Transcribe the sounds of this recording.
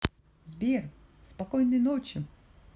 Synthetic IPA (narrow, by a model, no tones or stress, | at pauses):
zʲbʲɛrspakɔjnɨjnɔt͡ɕʊ